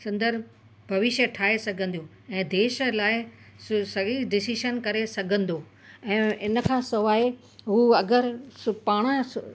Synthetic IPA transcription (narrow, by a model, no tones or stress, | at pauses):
sɐ̃nd̪əɾ | bʱɐʋɪʃjəʈʰaːɦesɐɡʱə̃n̆d̪ijũ | ɛ̃ːd̪eːʃəlaːɪ | sɐiɖɪsiʃənkɐɾesɐɡʱə̃n̆d̪oː | ɛ̃ːɪnə̆kʰãːsɐʋaːe | ɦuɐɡəɾspaːɽ̃ə